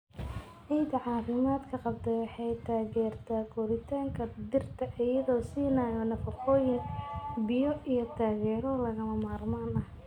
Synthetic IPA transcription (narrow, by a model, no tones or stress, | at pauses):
ʕijd̪ɐʕɑːfɪmaːd̪kʰɐqɑb̚t̪ʰɐjwɑħɑjt̪ʰaːɣɛːrt̪ʰaːkʰɔɾɪt̪ʰaːŋkʰɐd̪ɪrt̪ʰɐʔɪjɐðɔːsiːnaːjɔnɐfɐqʰɔːjɪŋbɪjɔʔijɔt̪ʰaːɣɛːɾɔlɐɣɐmɐmaːrmaːnɐh